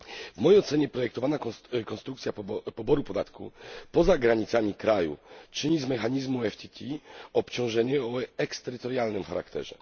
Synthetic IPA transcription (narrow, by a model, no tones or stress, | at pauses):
vmɔjejɔt̪sɛɲɛpɾɔjɛk̚t̪ɔvanakɔ̃nst̪ɾukt̪sʲjapɔbɔɾupɔd̪at̪kupɔzaɡɾaɲit̪samʲikɾajṵt͡ʂɘɲizmɛxaɲizmuɛft̪ʲit̪ʲʰiɔpt͡ɕɔ̃w̃ʐɛɲɛɔɛkst̪ɛɾɘt̪ɔɾjalnɘmxaɾa̰kt̪ɛ̰ʐɛ̰